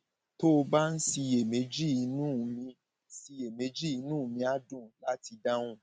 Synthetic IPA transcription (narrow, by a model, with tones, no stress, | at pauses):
to˦o˧ba˦n̩˦si˧je˨me˨˦d͡ʒi˦˨i˧˦nũ˦˨mĩ˧˦ | si˧e˨me˨˦d͡ʒi˦i˧nũ˦˨mĩ˧a˦dũ˦˨la˦ti˧da˦w̃ũ˦